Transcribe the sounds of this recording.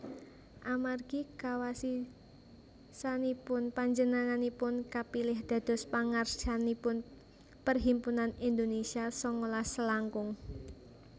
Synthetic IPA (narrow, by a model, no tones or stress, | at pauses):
ʔamarɡ̥ikawasi | sanipʊnpaɲd͡ʒənaŋanipʊnkapilɪhd̪̥ä̤d̪̥ɔ̤spaŋard͡ʒanipʊn | pərɦimpunanind̪onesiasɔŋɔlasəlaŋkʊŋ